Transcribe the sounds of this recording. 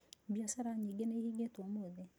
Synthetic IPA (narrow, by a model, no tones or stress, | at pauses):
bjɔsɛɾaɲiɡenehiɡetomoðe